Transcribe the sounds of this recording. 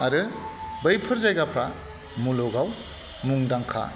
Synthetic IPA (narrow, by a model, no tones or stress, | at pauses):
aɾɯbɯjpʰɯɾzajɡapʰɾa | muloɡaw | muŋdaŋkʰa̰